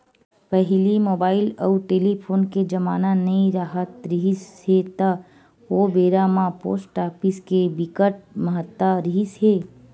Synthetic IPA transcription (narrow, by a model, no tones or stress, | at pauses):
pəɦilimoːbaːɪlə̰uʈeːlipʰoːnked͡ʒəmaːnanəĩɾaɦət̪ɾiɦisɦet̪ə | obeːɾamãpo̰ːsʈaːpiskebɪkəʈ̚məɦət̪ːəɾiɦisɦe